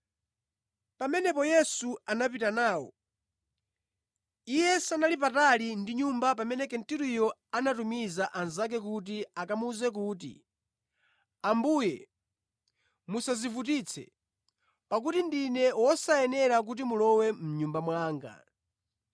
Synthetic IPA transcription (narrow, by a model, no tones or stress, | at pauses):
pamɛnɛpɔjɛsuanap̬itanaːwɔ̰ | ijɛsanalip̬atalindiɲumbapamɛnɛkɛntiɾujɔanatumizaʔanzak̬ɛk̬ut̬iakamuzɛk̬uːt̬ḭ | ambujɛ | musazivut̬it͡sʰɛ̰ | pak̬utindinɛwɔsaɛnɛɾak̬ut̬imulɔwɛm̩ɲumbamwaːŋɡa̰